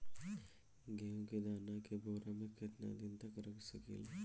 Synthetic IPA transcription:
ɡeõked̪aːnakeboːɾamẽkɪt̪na̰d̪ɪnt̪ɐkɾɐksəkḛl

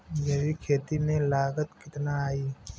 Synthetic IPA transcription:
jɐʋikʰeːt̪imẽlaːɡət̪kɪt̪naaːiː

